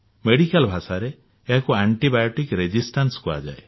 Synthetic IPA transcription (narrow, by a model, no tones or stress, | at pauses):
meɽikalbʱasaɾeː | ɦakuaɳʈibajoʈikɾed͡ʒisʈanskua̰d͡ʒa̰e